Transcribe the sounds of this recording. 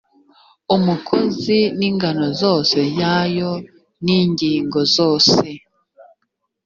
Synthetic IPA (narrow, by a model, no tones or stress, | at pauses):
umukʰoziniŋɡano̞zo̞ːse̞jaːjo | niːɲɟiːŋɡo̞zoːse̞